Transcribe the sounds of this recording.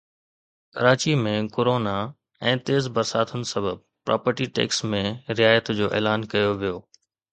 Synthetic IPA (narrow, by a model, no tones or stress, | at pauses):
kɐɾaːt͡ɕimẽkoːɾoːna | ɛ̃ːt̪eːzbɐɾsaːt̪ʰʊnɪ̆sɐbəb | pɾa̰ːpəɾʈiʈɛ̰ːksmẽɾɪjaːjət̪d͡ʑoːʔḛːlaːnkɐjoʋijoː